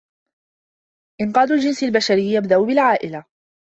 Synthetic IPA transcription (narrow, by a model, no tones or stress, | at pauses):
ʔɪnqɑːd̪ʊld͡ʒɪnsalbaʃaɾɪjːabd̪aʔʊbɪlʕaːʔɪla